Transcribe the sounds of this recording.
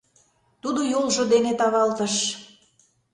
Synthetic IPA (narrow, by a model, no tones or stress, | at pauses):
t̪ud̪ojolʒod̪enet̪ɑβɑlt̪əʃ